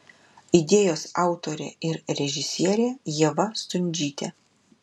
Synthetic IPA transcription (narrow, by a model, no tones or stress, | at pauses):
ɪd̪ʲeːjoːsɑˑʊt̪oːɾʲḛːɪɾɾʲɛʒʲɪsʲiɛɾʲeːjɛʋɐst̪ʊnʲd͡ʒʲiːt̪ʲɛ